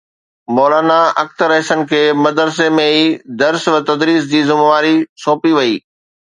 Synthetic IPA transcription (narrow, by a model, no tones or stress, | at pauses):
mɔːlaːnaɐk̚t̪ɾɐɦsənɪ̆kʰeːmɐd̪əɾsemẽiːd̪ɐɾsʋət̪ɐd̪ɾiːs̬d͡ʑiːzɪmʋaːɾisoːpiʋɐiː